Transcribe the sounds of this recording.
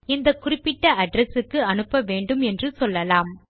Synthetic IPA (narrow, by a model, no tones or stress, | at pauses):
ɪnd̪ɐkʊrɪpːɪʈːɐʔɐɖɾɛsɯkːɯɐnɯpːɐʋeːɳɖɯmɛndrɯsɔlːɐlaːm